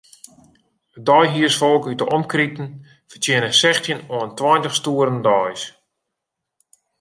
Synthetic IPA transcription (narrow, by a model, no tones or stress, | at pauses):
ədɔjɦiəsfɔlˠkytəʔɔmkritən̩ | fərtɪənəsɛxtjənɔəntwɔjntəχstuəɾəndɔjs